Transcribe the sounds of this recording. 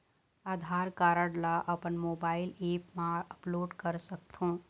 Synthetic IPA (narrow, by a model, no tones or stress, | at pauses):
aːd̪ʱaːɾkaːɾəɽlaʔɐpənmoːbaːɪleːpmãəploːɖkəɾsək̚t̪ʰõː